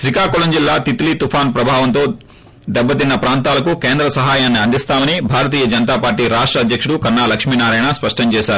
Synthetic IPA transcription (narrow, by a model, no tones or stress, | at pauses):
ʃɾikaːkolɐɲd͡ʒilːaːt̪it̪lit̪upʰaːnpɾɐbʱaːʋɐnt̪o̞ː | d̪ɛbːɐt̪̬inːɐpɾaːnt̪aːlɐkukeːnd̪ɾɐsɐɦaːjaːnːiɐnd̪ist̪aːmɐnibʱaːɾɐt̪̬iːjɐd͡ʒɐnɐt̪̬aːpaːɾʈiːɾaːʂʈɾɐːd̪ʱjɐkʂuɽukɐɾnaːlɐkʂmiːnaːɾaːjnaspɐʂʈɐɲt͡ʃɛːʃaːɾu